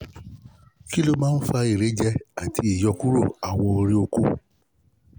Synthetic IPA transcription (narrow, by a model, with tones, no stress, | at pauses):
ki˦lo˦mãː˦n̩˦fa˧i˨ɾe˨˦d͡ʒɛ˦a˦˨tʰi˧˦i˨jɔ˧ku˦ɾo̰˦˨a˨wɔ̃˧o˧ɾi˧o˧ko˦